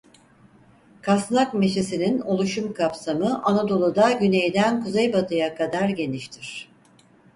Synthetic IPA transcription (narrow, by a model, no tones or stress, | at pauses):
kʰasnˠakmeʃisinino̞lˠuʃumkʰapsamɯʔanad̪o̞lˠud̪aɟyne̞jd̪ænkuzejbat̪ʰɯjakʰad̪aɾɟe̞niʃt̪ʰiɾ̝̥